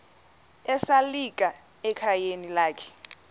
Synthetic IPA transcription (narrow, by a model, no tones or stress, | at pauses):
ɛsalik̬ʼa | ɛkʰajenilaːkʰɛ̥